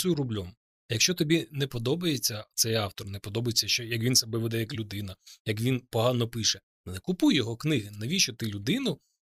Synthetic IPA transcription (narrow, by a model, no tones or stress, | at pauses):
uɾʊblʲɔm | jɐkʃt͡ʃɔt̪ɔbʲinɛpɔd̪ɔbɐjet͡sʲːɐt̪sɛjɑwt̪ɔrnɛpɔd̪ɔbɐjet͡sʲːɐʃt͡ʃɔjɐkʋʲinsɐbɛʋɛd̪ɛjɐklʲʊd̪ɪn̪ɐjɐkʋʲinpɔɦɑnɔpɪʃɛ | nekʊpujjɔɦɔknɪɦɪnɐʋʲit͡ʃɔt̪ɪlʲʊd̪ɪnʊ